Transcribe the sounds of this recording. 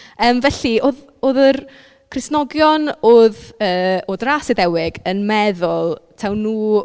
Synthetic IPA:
əːmvɛɬioːð | oːðər | kʰrɪsnɔɡjɔnoːðəːoːdrasɪdɛwɪɡənmɛðʊlˠtʰawnːuː

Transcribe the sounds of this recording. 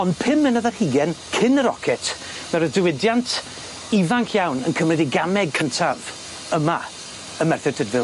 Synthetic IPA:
ɔndpʰɪmənəðarhiɡɛnkʰɪnəɾɔ̰kʰɛtʰ | mɛɾədɪwɪdjantʰ | ivaŋkʰjawnənkʰəmrɛdiɡamɛɡ̚kʰəntʰav̥ | əma | əmɛrθɛ̥tʰədvɪlˠ

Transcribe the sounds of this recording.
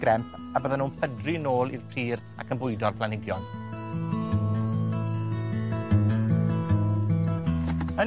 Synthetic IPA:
ɡɾɛmpʰ | abəːðənuːnpʰədrinoːlˠḭrpʰriːɾ | a̰kʰənbʊjdɔrpʰlˠanɪɡjɔn | ə

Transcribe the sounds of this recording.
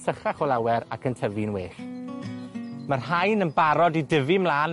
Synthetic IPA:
səχaχɔlˠawɛɾa̰kʰəntʰəvɨnweːɬ | mərɦajnənbaɾɔdidəvɨmlˠaːn

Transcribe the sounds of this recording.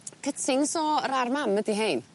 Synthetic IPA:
kʰətʰɪŋsɔɾarmamədiɦejn

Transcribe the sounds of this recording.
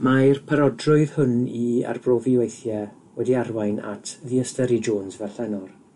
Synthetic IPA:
majrpʰaɾɔdrʊɨðhʊnia̰rbroːviwejθjɛ | wɛdiarwajna̰tʰðiəstɛɾid͡ʒoːnsvɛɬɛnɔr

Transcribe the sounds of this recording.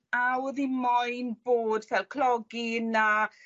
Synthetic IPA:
awəðimɔjnboːdvɛlˠkʰlˠɔɡina

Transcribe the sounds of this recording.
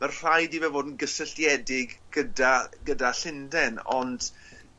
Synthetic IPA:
marr̥ajdivɛvoːdn̩ɡəsəɬjɛdɪɡɡədaɡədaɬɪndɛnɔ̰nd̥

